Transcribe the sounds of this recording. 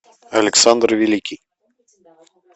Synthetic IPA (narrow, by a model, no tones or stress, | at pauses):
ɐlʲɪksand̪rvʲilʲikʲij